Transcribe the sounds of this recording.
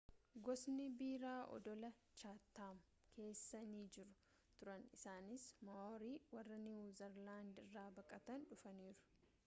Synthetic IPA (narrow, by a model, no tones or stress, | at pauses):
ɡɔsnɪbiːɾaːʔɔ̰d̪ɔlɐ | t͡ʃaːt̪ːaːm | kʰe̞ːsːɐniːd͡ʒɪɾʊ | t̪ʊɾɐnɪsaːnɪsmɐoːɾiːwɐrːɐnɪwuːzɐɾlaːnd̪ɪrːaːbɐkʼɐt̪ɐnᶑʊfɐniːɾʊ̥